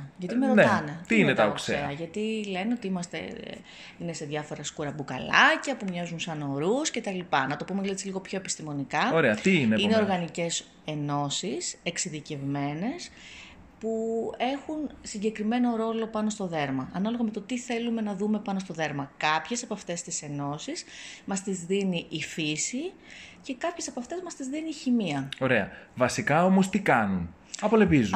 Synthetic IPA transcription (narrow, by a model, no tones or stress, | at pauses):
ʝɐt̪imeɾont̪ɐne̞t̪iinet̪ɐookseeɐʝɐt̪ile̞neo̞t̪iimɐst̪e̞̰ | inese̞ðʝɐfo̞ɾɐskuɾɐbukɐ̰lɐcɐpumɲɐzunsɐno̞ɾusce̞t̪ɐlipɐnɐt̪o̞pumeet͡siliɣo̞pço̞epi̥st̪imo̞nikɐoɾeɐt̪iinneine̞o̞ɾɣɐnice̞s | e̞no̞sise̞ksiðice̞vme̞ne̞s | pue̞xunsiɲɟe̞kɾime̞no̞ɾo̞lo̞pɐno̞st̪o̞ðe̞ɾmɐɐnɐlo̞ɣɐme̞t̪o̞t̪iθe̞lume̞nɐðume̞pɐno̞st̪o̞ðe̞ɾmɐkɐpçe̞sɐpɐft̪e̞st̪ise̞no̞sismɐst̪izðiniʔːfisice̞kɐpçe̞sɐpɐft̪e̞zmɐst̪izðiniːçimiɐo̞ɾe̞ɐvɐsikɐomost̪ikɐnun | ɐpo̞leviz